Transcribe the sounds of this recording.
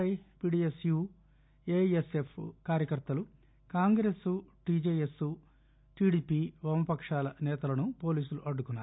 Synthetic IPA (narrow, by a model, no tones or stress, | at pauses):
ɐjpiːɖiːesjuː | eːesepʰkaːɾjɐkɐɾt̪ɐlu | kaːŋɡɾesuʈid͡ʒeːjesu | ʈiːɖiːpiʋɐmɐpɐkʂaːlɐnɛːt̪ɐlɐnupo̞ːliːsuluʔɐɖːukunːaːu